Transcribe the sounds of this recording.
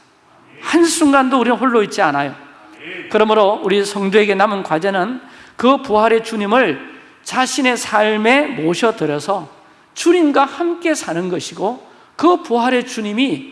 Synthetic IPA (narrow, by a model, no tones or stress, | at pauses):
hansʰuŋɡandouɾinɯnɸoɭːoit̚t͡ɕ͈ianajo | kɯɾʌmɯɾouɾisʰʌŋdueɡe̞namɯnkwad͡ʑenɯnkɯpuɦaɾe̞t͡ɕuɲimɯɭ | t͡ɕaɕʰine̞sʰaɭme̞moɕʰʌtɯɾjʌsʰʌ | t͡ɕuɲimɡwahamk͈e̞sʰanɯnɡʌɕʰiɡo | kɯpuɦaɾe̞t͡ɕuɲimi